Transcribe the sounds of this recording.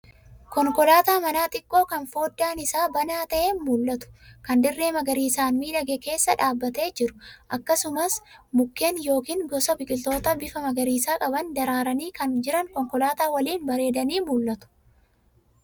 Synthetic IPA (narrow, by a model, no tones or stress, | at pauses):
kɔŋkɔlaːt̪aːmɐnaːt̪ʼɪkʼːo̞ːkɐnfo̞ːd̪ːaːnɪsaːbɐnaːt̪ɐʔenmulːɐt̪ʊ̥kɐnd̪ɪrːe̞ːmɐɡɐɾiːsaːnmiːᶑɐɡɛke̞ːsːɐᶑaːbːɐt̪e̞ːd͡ʒɪɾʊ̥ʔɐkːɐsʊmɐsmʊkːeːnjo̞ːkiːŋɡɔsɐbɪkʼɪlt̪o̞ːt̪ɐbɪfɐmɐɡɐɾiːsaːkʼɐbɐnd̪ɐɾaːɾɐniːkɐnd͡ʒɪɾɐŋkɔŋkɔlaːt̪aːwɐliːnbɐɾe̞ːd̪ɐniːmulːɐt̪ʊ̥